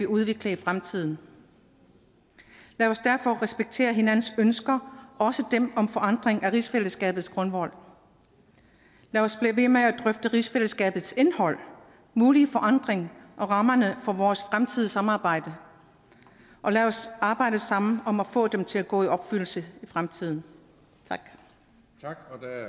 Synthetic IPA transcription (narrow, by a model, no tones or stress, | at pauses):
ʋiuð̞ˠʋe̝ɡ̥ləifʁamt͡sʰið̰ˠn̩ | læɒ̽sd̥æɐfɒ̽ʁɛsb̥eɡ̥̚t͡sʰe̝̰ːɐɦe̝nænn̩sønsɡ̥ɐɒ̽səd̥emɒ̽mfɒ̽ʔɑ̈n̰d̥ʁeŋæʁisfel̰əsɡ̥ɛ̰ːb̥ð̩ˠsɡ̥ʁɔ̽nʋɒ̽l̰ | læɒ̽sb̥liʋe̝meæd̥ʁœfd̥əʁisfel̰əsɡ̥ɛ̰ːb̥ð̞̩ˠse̝nhɒ̽l̰ | muːlifɒ̽ʔɑ̈n̰d̥ʁeŋʔɒ̽ʁɑ̈mɐnəfɒ̽ʋɒːsfʁamt͡sʰið̞̰ˠəsɑ̈mɑ̈ːb̥ɑ̈ɪ̰d̥ə | ʔɒ̽læɒ̽sɑ̈ːb̥ɑ̈ɪ̰d̥əsɑ̈m̰n̩ɒ̽mæfɔ̰̽ːd̥emt͡sʰe̝læɡ̥ɔ̰̽ːiɒ̽b̥fyl̰̩səifʁamt͡sʰið̞̰ˠn̩ | t͡sʰɑɡ̥ʰ